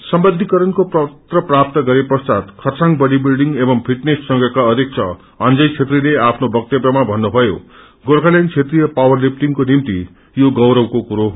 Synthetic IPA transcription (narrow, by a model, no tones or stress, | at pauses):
sʌmbʌnd̪ʱikʌɾʌnkoprʌt̪rʌprap̚t̪ʌɡʌɾeprʌst͡sat̪kʰʌrsaŋbʌɽibilɖiŋɡebʌmpʰiʈnesːʌŋɡʌkaʌd̪ik̚t͡sʰʌ | ʌnd͡zʌjt͡sʰet̪rileapʰnobʌk̚t̪ebrʌmabʱʌnːubʱʌjo̰ | ɡoɾkʰalent͡sʰet̪rijʌpawʌrlip̚ʰʈiŋkonimt̪i | joɡʌwɾʌwkokuɾo